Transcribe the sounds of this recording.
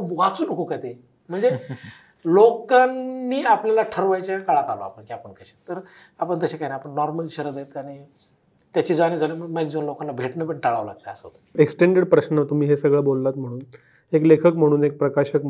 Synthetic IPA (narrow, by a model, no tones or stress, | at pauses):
ʋat͡suːnəkokat̪e | m̤əɳd͡ze | lokanːiːapljalaʈʰəɾʋajt͡ɕjakaɭat̪alo̰a̰pəɳkiapəɳkəɕe̥t̪ːəɾ | apəɳt̪əɕekajnajapəɳnːɔɾməlɕəɾəd̪jet̪aɽ̃i | t̪jat͡ɕiːd͡zañid͡zʱaleməmekd͡zonlokãnlːabʱeʈnəpəɽʈaɭaʋla̰ɡ̚t̪ḛəsət̪eksʈeɳɖeɽpɾəsnat̪um̤iːɦesəɡɭəbolːat̪m̤əɽ̃uːn | eklekʰəkm̤əɽ̃uːnek̚pɾəkaɕək̚